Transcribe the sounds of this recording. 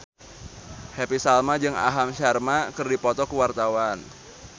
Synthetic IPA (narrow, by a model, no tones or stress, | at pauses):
hepisalmad͡ʒɨŋa̰ɦamʃarmakɨrdipɔt̪ɔkəwart̪awan